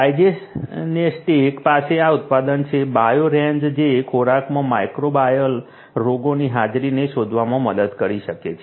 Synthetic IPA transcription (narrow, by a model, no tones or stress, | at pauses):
ajd͡ʒesnesʈeːkpaseaʊt̪̚pad̪ənt͡ʃʰebajoɾẽnd͡ʒd͡ʒekʰoɾakmãmajkɾobajəl | ɾoɡoniɦad͡ʒɾineʃod̪ʱʋamãməd̪əd̪kəɾiʃəket͡ʃʰe